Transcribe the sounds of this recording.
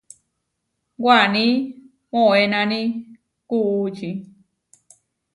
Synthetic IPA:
ɡwanĩ | mõenãnĩ | kuut͡ʃi

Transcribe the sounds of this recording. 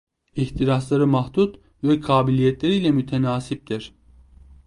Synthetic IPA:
içt̪ʰiɾaslˠaɾɯmaht̪ut̪ | vɛkʰaːbilʲijɛt̪lʲeɾiːlʲɛmyt̪ʰɛnaːsip̚d̪iɾ̥

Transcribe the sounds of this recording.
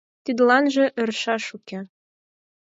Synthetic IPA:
t̪yd̪lɑnʒĕʔɘ̆rʃɑʃukʲe

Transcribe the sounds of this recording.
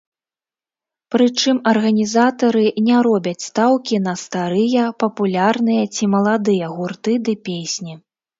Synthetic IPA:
pɾɨt͡ʂɨmɐrɣɐnʲizat̪ɐɾɨnʲɛɾɔbʲɐt͡sʲst̪awkʲinɐst̪aɾɨjɐpɐpulʲarnɨjɐt͡sʲimɐlˠad̪ɨjɐɣurt̪ɨd̪ɨpʲesʲnʲi

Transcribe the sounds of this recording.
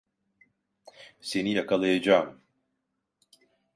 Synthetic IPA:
se̞nijakʰalˠajad͡ʒaːm

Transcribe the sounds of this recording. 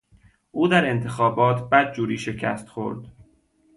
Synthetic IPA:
ʔuːd̪æɾe̞nt̪ʰe̞xɒːbɒːt̪ʰbæd̪̚d͡ʒuːɾiːʃe̞cʰæ̰st̪xo̰ɾd̪̥

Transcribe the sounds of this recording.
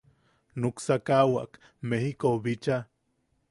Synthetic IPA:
nuksakawa̰k | mehikoβit͡ʃa

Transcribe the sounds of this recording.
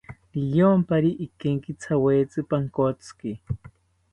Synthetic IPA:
liʎompaɾiʔikeŋkit͡sʰaweːt͡sɨpaŋkot͡ski

